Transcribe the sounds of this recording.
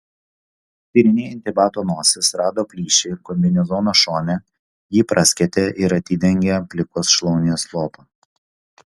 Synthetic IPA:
t̪ʲiːɾʲɪnʲeːɪnʲt̪ʲɪbɑːt̪oːnoːsʲɪsɾɑːd̪oːpʲlʲiːʃʲɛɪkɔmʲd̪ʲɛnʲɛzɔːnoːʃoːnʲɛ | jiːpɾʔɐsʲkʲɛt̪ʲeʔɪɾɐt̪ʲɪd̪ʲɛŋʲɡʲɛpʲlʲɪkoːsʃlˠɔʊnʲɪjoːslˠoːpoː

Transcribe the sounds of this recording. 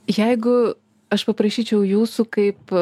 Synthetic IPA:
jɛɪɡʊ | ɐʃpɐpɾɐʃʲiːt͡ʃʲɛʊjuːsuːkɐɪp

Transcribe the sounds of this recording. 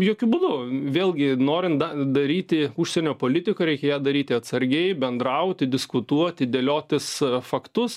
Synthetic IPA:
joːkʲʊbʊːd̪ʊʋʲeːlʲˠɡʲɪnoːɾʲɪnt̪ɐd̪ɐɾʲiːt̪ʲɪʊʃʲsʲɛnʲoːpoːlʲɪt̪ʲɪkɐɾʲɛɪkʲɛjæːd̪ɐɾʲiːt̪ʲɪɐt̪sɐɾʲɡʲɛɪbʲɛnd̪ɾɐʊt̪ʲɪd̪ʲɪskʊt̪uɔt̪ʲɪd̪ʲelʲoːt̪ʲɪsfɐkt̪ʊs

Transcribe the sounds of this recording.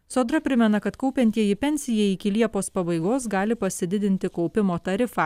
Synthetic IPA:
soːd̪ɾɐpʲɾʲɪmʲɛnɐkɐt̪kɒʊpʲɛnʲt̪ʲiɛjɪpʲɛnʲsʲɪjɛɪkʲɪlʲiɛpoːspɐbɐɪɡoːsɡɑːlʲɪpɐsʲɪd̪ʲɪd̪ʲɪnʲt̪ʲɪkɐʊpʲɪmoːt̪ɐɾʲɪfɑː

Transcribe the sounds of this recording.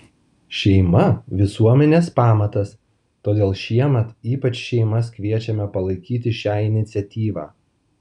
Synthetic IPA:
ʃʲɛɪmɐʋʲɪsuɔmʲɛnʲeːspɑːmɐt̪ɐs | t̪oːd̪ʲeːlˠʃʲiɛmʲɛt̪iːpɐt͡ʃʃʲɛɪmɐskʲʋʲiɛt͡ʃʲɛmʲɛpɐlˠɐɪkʲiːt̪ʲɪʃʲæːɪnʲɪt̪sʲɛt̪ʲiːʋɑ̰ː

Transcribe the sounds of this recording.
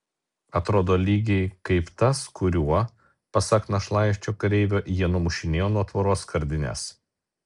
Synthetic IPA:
ɐt̪ɾoːd̪oːlʲiːɡʲɛɪkɐɪpt̪ɐskʊɾʲuɔ | pɐsɐk̪nɐʃlˠɑˑɪʃʲt͡ʃʲoːkɐɾʲɛɪʋʲoːʔjiɛnʊmʊʃʲɪnʲeːjoːnuɔt̪ʋɐɾoːskɐɾʲd̪ʲɪnʲɛ̰s

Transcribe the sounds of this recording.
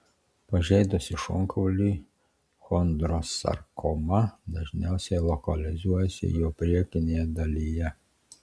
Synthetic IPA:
paʒɛjd̪ɔsiʃɔ̰ŋkʰɔwli | xɔnd̪ɾɔsa̰ɾkɔmad̪aʒnɛsɛlɔkalizujɛsɛ̰jɔpɾɛkinjɛd̪alija

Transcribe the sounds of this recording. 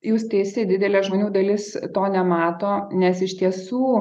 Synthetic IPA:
juːst̪ʲɛɪst̪ʲɪd̪ʲɪd̪ʲɛlʲɛːʒmoːnʲuːd̪ɐlʲɪst̪oːnʲɛmɑːt̪oːnʲɛsɪʃʲt̪ʲiɛsuː

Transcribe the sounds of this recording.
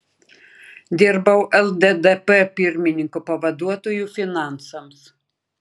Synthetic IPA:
d̪ʲɪɾbɐʊʔɛlˠd̪ɛd̪ɛpɛpʲɪɾʲmʲɪnʲɪŋkopɐʋɐd̪uɔt̪oːjuːfʲɪnɑˑnsɐms

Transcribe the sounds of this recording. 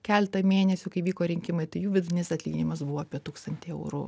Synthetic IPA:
kʲæːlʲɛt̪ɐmʲeːnʲɛsʲʊkɐɪʋʲiːkoːɾʲɪŋʲkʲɪmɐɪt̪ɐɪjuːʋʲɪd̪ʊnʲɪsɐtʲlʲiːɡʲɪnʲɪmɐsbʊʋoːɐːpʲiɛt̪uːkst̪ɐnʲt̪ʲeɛ̰ʊɾʊ̰

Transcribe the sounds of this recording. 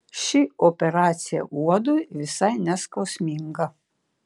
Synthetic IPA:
ʃʲɪopʲɛɾɑːt̪sʲɪjɛ̰ʔuɔd̪ʊjʋʲɪsɐɪnʲɛskɐʊsʲmʲɪŋɡɐ

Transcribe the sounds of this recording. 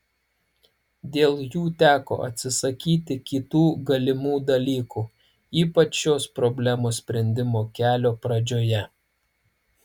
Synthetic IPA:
d̪ʲeːlˠjuːt̪ʲæːko̰ːʔɐ̰t̪ʲsʲɪsɐkʲiːt̪ʲɪkʲit̪uːɡɐlʲɪmuːd̪ɐlʲiːkuː | iːpɐt͡ʃʃʲoːspɾɔbʲlʲæmoːsʲpʲɾʲɛnʲd̪ʲɪmoːkʲæːlʲoːpɾɐd͡ʒʲoːjɛ

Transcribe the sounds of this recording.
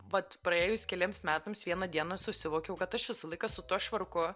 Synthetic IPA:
ʋɐt̪pɾɐeːjʊskʲɛlʲiɛmsmʲæːt̪ɐmsʋʲiɛnɐd̪ʲiɛnɐsʊsʲɪʋoːkʲɛʊkɐt̪ɐʃʋʲɪsɐlˠɐɪkɐsʊt̪uɔʃʋɐrkʊ

